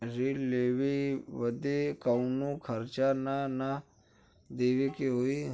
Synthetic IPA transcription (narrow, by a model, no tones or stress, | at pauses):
ɾileːʋeʋəd̪ekaʊnũkʰəɾt͡ʃanana | d̪eːʋekeɦoːi